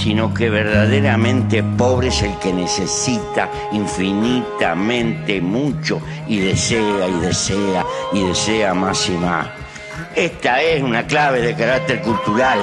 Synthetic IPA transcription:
sino̞keβeɾðaðeɾamẽnt̪epo̞βɾeeselkenesesit̪a | iɱfinit̪a̰mẽnt̪emut͡ʃo | iðeseaiðeseaiðeseamasima̰s | eht̪aesunaklaβeðekaɾak̚t̪eɾkult̪uɾal

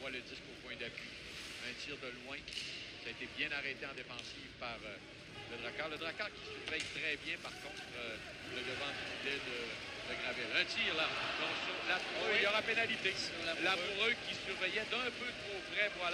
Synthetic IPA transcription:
mwaləd̪iskopwɛ̃d̪apɥi | ɛ̃t̪iːʁd̪əlwɛ̃saːet̪ebjɛ̃naʁɛt̪eɑ̃d̪efɑ̃siːvpaʁ | ləd̪ʁakaːʁləd̪ʁakaːʁkʲi̥syʁvɛjt̪ʁɛbjɛ̃paʁkɔ̃t̪ʁø | d̪əd̪əvɑ̃d̪ymid̪ɛd̪əd̪əɡʁavɛlɛ̃ːt̪iːʁlad̪ɔ̃kslapuʁøjɔʁapenalit̪elapuʁøkʲisyʁvɛjɛd̪ɛ̃pøt̪ʁopʁɛvwal

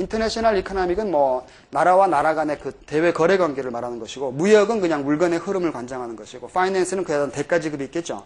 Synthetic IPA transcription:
intʰʌneɕʰʌnaɾikʰonʌmiɡɯnmwʌ | naɾawanaɾaɡane̞kɯte̞we̞kʌɾe̞ɡwaŋɡe̞ɾɯɭmaɾɦanɯnɡʌɕʰiɡomujʌɡɯnkɯɲaŋuɭɡʌne̞hɯɾɯmɯɭkwand͡ʑaŋɦanɯnɡʌɕʰiɡofʰainens͈ʰɯnɯnkɯedʌnte̞k͈ad͡ʑiɡɯɾoik͈e̞t̚t͡ɕ͈o̰

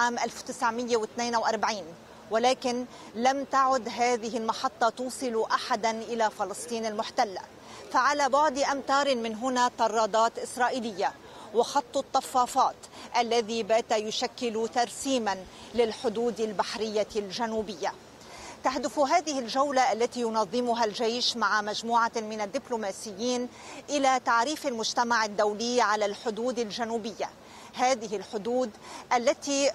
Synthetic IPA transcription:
ʕaːmʔalft̪ɪsʕmɪjːewɪt̪neːnʔawʔɑɾˤbʕiːn | walaːkɪn | lamt̪aʕʊd̪ɦaːðɪɦɪlmɑħɑt̪ˤːɑt̪uːsˤɨluʔaħad̪anʔɪlafɑlɨsˤt̪ˤiːnalmʊħt̪alːa̰ | faʕalabɑʕd̪ˤʔamt̪ɑːɾˤɪmɪnɦʊnat̪ˤɑrˤːɑːd̪ˤɑːt̪ʔɪsɾˤɑːʔiːlɪjːa | wɑxɑt̪ˤːʊt̪ˤːɑfːɑːfɑːt̪ʔalːaðibaːt̪ajʊʃakːɪlut̪ɑɾsiːman | lɪlħʊd̪uːd̪albaħɾɪjːalʒanuːbɪjːa | t̪aɦd̪ʊfɦaːðɪhɪlʒawlaʔalːat̪ijʊnɑðˤːɪmʊɦalʒejʃmaʕamaʒmuːʕamɪnad̪ːɪblumaːsɪjːiːn | ʔɪlat̪aʕɾiːfalmʊʒt̪amaʕɪd̪ːawlɪːʕalalħʊd̪uːd̪alʒanuːbɪjːa | haːðɪɦɪlħʊd̪uːd̪ʔalːat̪i

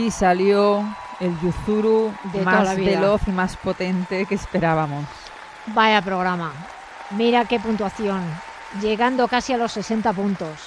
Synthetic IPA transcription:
isaljo | elʎuθuɾuðet̪maaazβiβelo̞θimaspo̞t̪e̞nt̪e̞kespe̞ɾaβamos | bajapɾo̞ɣ̞ɾama | miɾake̞punt̪waθjo̞n | ʝe̞ɣand̪o̞kasialo̞sːe̞se̞nt̪apunt̪o̞s

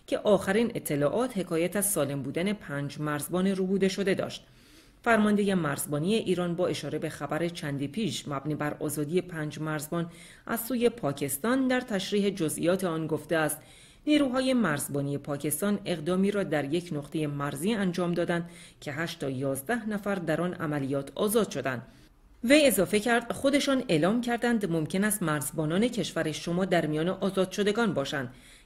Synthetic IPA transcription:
cʰe̞ʔɒːxæɾiːnʔe̞t̪ʰːe̞lɒːʔɒːt̪he̞kʰɒːjæt̪ʰæzsɒːle̞mbuːd̪æne̞pʰæːnd͡ʒmæɾzbɒːneɾubuːd̪e̞ʃo̞d̪e̞d̪ɒ̰ːʃt̪ | fæɾmɒnd̪e̞je̞mæɾzbɒːnije̞ʔiːɾɒːnbɒːe̞ʃɒːɾe̞be̞xæbæɾe̞t͡ʃʰænd̪iːpʰiːʃmæbniːbæɾɒ̰ːzɒːd̪ije̞pʰæːnd͡ʒmæɾzbɒːn | ʔæzsːuːje̞pʰɒːcʰe̞st̪ɒːnd̪æɾt̪ʰæʃɾiːɦe̞d͡ʒozʔḭjɒːt̪ʰe̞ɒːnɡo̞ft̪e̞æːst̪ | niːɾuːɦɒːje̞mæɾzbɒːnije̞pʰɒːcʰe̞st̪ɒːne̞ʁd̪ɒːmiːɾɒːd̪æɾje̞cʰnoqt̪ʰe̞je̞mæɾziːænd͡ʒɒːmd̪ɒːd̪ænd̪̥cʲʰe̞ɦæʃt̪ʰɒːjɒːzd̪æhnæfæɾd̪æɾɒːnæ̰mælijɒːt̪ʰɒːzɒːd̪̥ʃo̞d̪æ̰nd̪̥ | ve̞je̞zɒːfe̞cʰæɾd̪̥χo̞d̪e̞ʃɒːne̞ːlɒːmcʰæɾd̪ænd̪mo̞mcʰe̞næst̪mæɾzbɒːnɒːne̞cʰe̞ʃvæɾeʃo̞mɒːd̪æɾmijɒːne̞ʔɒːzɒːd̪̥ʃo̞d̪e̞ɡɒːnbɒːʃænd̪̥

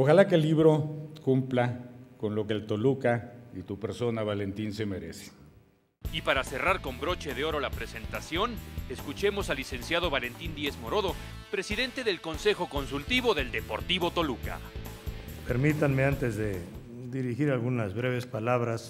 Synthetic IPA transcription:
o̞xalakelːiβɾo̞kumplako̞nlo̞keːlt̪o̞lukait̪upe̞ɾso̞naβale̞nt̪inse̞me̞ɾe̞̰se̥ | ipaɾase̞raɾko̞mbɾo̞t͡ʃe̞ðeo̞ɾo̞lapɾe̞se̞nt̪asjo̞ne̞skut͡ʃe̞mo̞salise̞nsjað̞o̞βale̞nt̪ind̪jezmo̞ɾo̞ðo̞ | pɾe̞siðe̞nt̪e̞ðe̞lko̞nse̞xo̞ko̞nsult̪iβo̞ðe̞ld̪e̞po̞̰ɾt̪iβo̞t̪o̞luka̰ | peɾmit̪anmeant̪ezðe | d̪iɾixiɾalɣunazβɾe̞βe̞spalaβɾas

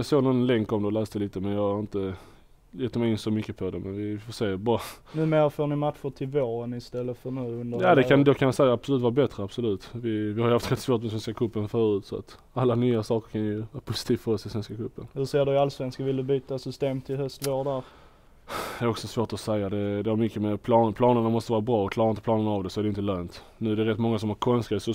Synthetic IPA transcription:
ɑsoːnɔnlɛŋkɔmd̪ɛlæːst̪əliːt̪əmɛnjɑːɡaɾɪnt̪ə | jɛt̪ːəmɛɪjɪnsɔmʏkːəpʰɔd̪ɛmɛnvɪfoːʂeːbɑːnʉ̟ːmeːɾəfoːɳɪmat̪ɧʊʈʰɪlvoːɾənɪst̪ɛlːət̪fœɳʉ̟ːɵnd̪əjad̪ɛkʰand̪okʰanjasɛɪjaab̥sɔlʉ̟ːt̪vɑːɾbɛt̪ɾəabsɔlʉ̟ːt̪vɪvɪhaɾjʊhaft̪ɾɛt̪svoːt̪mɛsvɛnskakʰɵpːənfœːɾʉːt̪sɔa̰t̪ | alːanyːasɑːkəɾkʰanjɵvɑːɾapʰʊsɪ̥t̪ʰiːvfəɾɔsɪsvɛnskakʰɵpːənhɵʂeːɖɵalsvɛnskavɪld̪ɵbyːt̪asʏst̪eːmt̪ʰɪlɦœst̪voːɖæɾ | d̪ɛæɾɔksɔsvoːʈ̪ɔsɛjːad̪ɛd̪ɛaɾmʏkːəmɛpʰlɑːnpʰlɑːnəɳamɔst̪əvɑːɾabɾɑːɔkʰlɑːɾaɾɪnəplɑːnənːvd̪ɛsɔæɾdɛʏnt̪əløːnt̪ | nʉ̟ːæɾɖɛɾɛt̪ːmɔŋːasɔmhaɾkʰɔnsɛsɔ

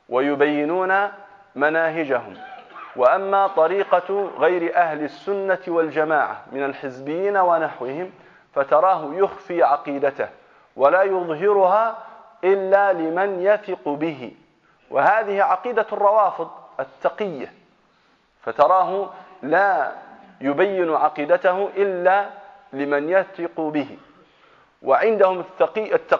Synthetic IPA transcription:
wʔajʊbajːɪnuːna | manaːɦɪd͡ʒaɦʊ̰mwaʔamːaːt̪ˤɑɾiːqɑɣajɾɪʔahlasːʊnːawald͡ʒamaːʕa̰mɪnalħɪzbɪjːiːnawanaħwɪhɪm | fat̪ɑɾˤɑːɦʊjʊxfiːʕɑqiːd̪at̪ah | walaːjʊðˤɦɪɾʊhaːʔɪlːaːlɪmanjaθɪqubɪɦɪ̰ | wʔɪ̰haːðɪhiʕaqiːd̪arˤːɑwɑːfɨðˤat̪ːɑqɪjːa | fat̪ɑɾˤɑːɦʊlaː | jʊbajːɪnʕɑqiːd̪at̪ahʊʔɪlːa | lɪmanjaθɪqubɪhɪ̰ | wɪʕɪnd̪ahʊmːɑqːat̪ːɑ

